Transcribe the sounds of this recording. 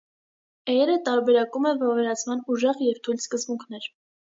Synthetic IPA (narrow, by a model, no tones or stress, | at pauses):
ɛjɛɾət̪ɑɾbɛɾɑkumɛvɑvɛɾɑt͡sʰmɑnuʒɛʁjɛvt̪ʰujlskəzbuŋkʰnɛɾ